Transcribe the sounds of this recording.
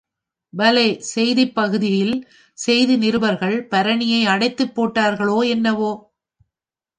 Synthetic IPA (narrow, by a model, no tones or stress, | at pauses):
bɐlɐɪsɛjðɪpːɐɣɯðɪjɪl | sɛjðɯnɪɾɯbɐɾɣɐɭpɐɾɐɳɪjɐɪɐɽɐɪt̪ːɯpːoːʈːaːɾɣɐɭoːɛnːɐʋoː